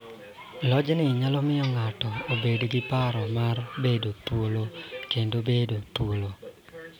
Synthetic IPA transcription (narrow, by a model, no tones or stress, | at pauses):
lɔd͡ʒnɪɲalɔmɪɔŋatɔobedɡɪpaɾɔmarbedotwolokendobedot̪wolo